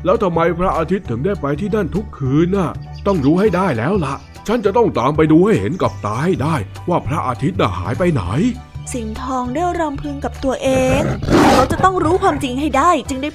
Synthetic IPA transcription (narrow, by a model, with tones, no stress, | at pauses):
lɛː˦˥wt̪ʰa˧mːa˧jpʰɾa˦˥ʔaː˧t̪ʰi˦˥t̪ʰːɯ˨˩˦daː˥˩jpa˧jt̪ʰiː˥˩na˥˩nt̪ʰu˦˥kʰːɯː˧nʔa˧˩ | t̪ɔ˥˩ŋɾuː˦˥ɦha˥˩jdaː˥˩jlɛː˦˥wla˧˦ʔ | t͡ɕʰa˦˥nt͡ɕa˨˩t̪ɔ˥˩ŋt̪aː˨mpa˧jduː˧ha˥˩jhe˩˦nka˨˩p̚t̪aː˧ha˥˩jdaː˥˩j | waː˥˩pʰɾa˦˥ʔaː˧t̪ʰi˦˥t̪̚na̰˧˩ha̰ː˩˦jpa˧jna̰˩˦j | si˨˩˦nt̪ʰɔː˧ŋdɯ˥˩əɾɔ˧mpʰɯ˧ŋka˨˩p̚t̪u˧ɐʔeː˧ŋː˥˧˩kʰa˦˥wt͡ɕa˨˩ʔt̪ɔ˥˩ŋɾuː˦˥kʰwaː˧mt͡ɕi˧ŋha˥˩jdaː˥˩jt͡ɕɯ˧ŋda˥˩j